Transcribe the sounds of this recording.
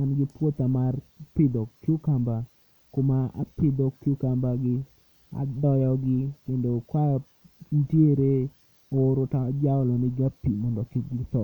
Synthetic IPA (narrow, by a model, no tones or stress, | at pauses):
anɡɪpwot̪amarpɪd̪ɔkːɪʊkamba | komaa̰pɪd̪ɔkːɪʊkambaɡɪ | a̰dɔjɔɡɪkendokwajɔ | ndjeɾe | oɾotad͡ʒaɔlɔmɪɡapːimɔndɔkiɡɪt̪ɔ